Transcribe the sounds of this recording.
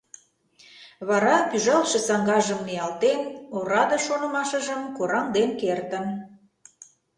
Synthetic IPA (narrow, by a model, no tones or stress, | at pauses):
βɑɾɑpyʒɑlʃə̆sɑŋɡɑʒəmniɑlt̪enoɾɑd̪ɤ̆ʃonɤ̆mɑʃə̆ʒəmkoɾɑŋd̪enkert̪ən